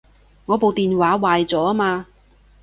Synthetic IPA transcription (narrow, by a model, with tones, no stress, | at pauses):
ŋɔː˨˧po˨wt̪iː˨nwaː˨˥waː˨jt͡sɔː˨˥maː˧